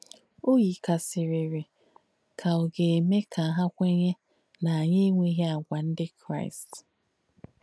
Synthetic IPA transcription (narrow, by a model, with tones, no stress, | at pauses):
o˦ji˨ka˨sɪ˨ɾi˨ɾɪ˨ | kʰa˨o˨ɡe˨e˨me˦ka˨ɦa˦kʷe˦ɲe˦ | na˨ɲe˦ŋʷe˦ɦe˦a˨ɡʷa˨n̩˦dɪ˦kɾa̰˦ɪ˨st